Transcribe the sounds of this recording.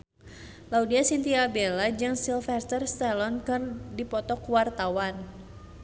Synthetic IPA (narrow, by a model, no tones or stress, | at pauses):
laudiasint̪iabelad͡ʒɨŋsilfɛst̪ərst̪ɛlɔnkɨrdipɔt̪ɔkwart̪awan